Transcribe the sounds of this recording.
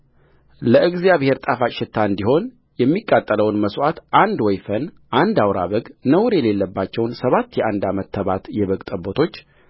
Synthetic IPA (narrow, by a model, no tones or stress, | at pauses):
ləʔɨɡzijaβhe̞ɾt̪ʼafat͡ʃʃɪt̪ʰːaɨnd̪iho̞n | jɛmːikʼːat̪ʼːələwnməswat̪ʔand̪wɔjfən | ʔand̪awɾa̰βəɡnəwɾjɛle̞lːəbːat͡ʃːɛwnsəβat̪ːjɛʔand̪amət̪ʰːəβat̪jɛβəɡt̪ʼəbot̪ʰo̞t͡ʃː